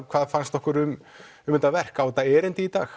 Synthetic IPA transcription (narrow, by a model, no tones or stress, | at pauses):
kʰvaːðfanst̪ɔhkʏɾʏm | ʏmɪnt̪avɛr̥kawt̪aɛːɾɪnt̪ɪit̪a̰ːx